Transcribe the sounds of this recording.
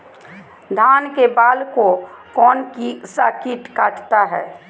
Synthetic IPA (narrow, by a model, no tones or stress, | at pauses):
d̪ʱaːnkebaːlkokɔːnkisakiʈkaːʈt̪aɦɛː